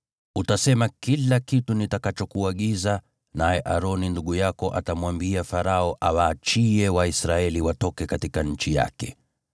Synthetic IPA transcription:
utasɛmakilakitunitakat͡ʃɔkuaɠiza | najɛʔaɾɔninduɠujakɔʔatamwambiafaɾaɔʔawaːt͡ʃiɛwaisɾaɛliwatɔkɛkatikaɲ̩t͡ʃija̰kɛ

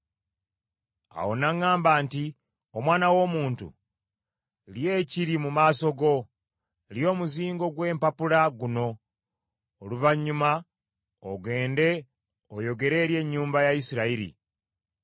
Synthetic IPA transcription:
a̰wonaŋaːmbaːnti | omwaːnawo̞ːmuːntṵ | lje̞ciɾimumaːso̞ɡo̞ | ljo̞ːmuziːŋɡo̞ɡwe̞ːmpapulaɡuno̞ | luvaɲːuma | oɡe̞ːnde̞ | ojo̞ɡe̞ɾe̞ːɾje̞ɲːuːmbajaisiɾaiɾḭ

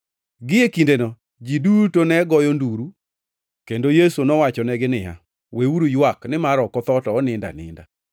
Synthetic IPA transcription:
ɡɪjekindenɔ | d͡ʒidutonɛɡɔjɔnduɾu | kendojesunɔwat͡ʃɔnɛɡɪnɪja̰ | weuɾujwaknɪmaɾɔkɔt̪ɔtɔːnɪnda̰nɪ̰nda

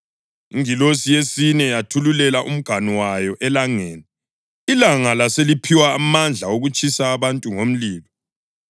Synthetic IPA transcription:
iŋilosijesinɛjatʰululɛlaʔṵm̩ɡ̥ʱaniwajɔʔɛlaŋeːni | ilaŋalaselipʰiwaːmand͡ɮʱaoɣut͡ʃʰʼisaːβantʼuŋom̩liːlɔ

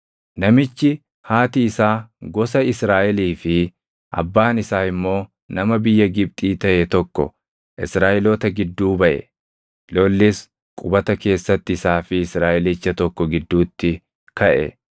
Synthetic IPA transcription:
nɐmɪt͡ʃːɪ | haːt̪ɪːsaːɡɔsɐɪsɾaːʔɛliːfɪ | ʔɐ̰bːaːnɪsaːɪmːo̞ː | nɐmɐbɪjːɐɡɪb̚t̪ʼiːt̪ɐʔɛt̪ɔkːɔ̰ | ʔɪ̰sɾaːʔɛloːt̪ɐɡɪd̪ːuːbɐʔɛ̰ | loːlːɪs | kʼʊbɐt̪ɐke̞ːsːɐt̪ːɪːsaːfɪːsɾaːʔɛliːt͡ʃːɐt̪ɔkːɔɡɪd̪ːuːt̪ːɪ | kɐʔɛ̰

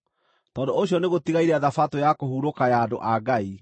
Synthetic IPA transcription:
tɔːndooɕjɔneɣotiɣaiɾɛaðafatojakohuɾokajaːdo̰ʔaɡai

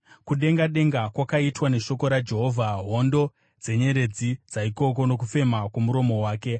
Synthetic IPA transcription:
kuɗe̞ŋɡaɗe̞ŋɡakwakaitwane̞ʃo̞ko̞ɾad͡ʒe̞ɦovʱaɦondo̞ | d͡ze̞ɲe̞ɾe̞d͡zid͡zaiko̞k̬o̞no̞k̬ufe̞makwemuɾo̞mo̞waːke̞

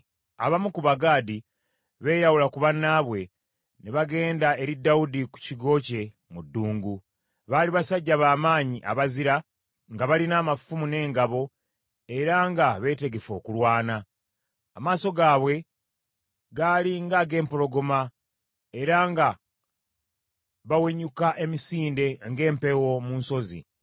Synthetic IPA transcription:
aβamukuβaɡaːdi | βe̞ːɾawulakuβanːaːβwe̞ | neβaɡe̞ːndae̞ɾidːaudiku̥ciɡo̞ːce̞ | mudːuːŋɡu | βaːliβasaɟːaβaːmaːɲiʔa̰βaziɾa | ŋɡaβalinaːmafumune̞ːŋɡaβo̞ | e̞ɾaŋɡaβe̞ːte̞ɡe̞fo̞ːkulwaːnaː | maːso̞ɡaːβwe̞ | ɡaliŋɡaɡe̞ːmpolo̞ɡo̞ma | e̞ɾaŋɡa | βaweɲukaʔe̞misiːnde̞ŋɡe̞ːmpe̞wo̞muːnso̞zḭ

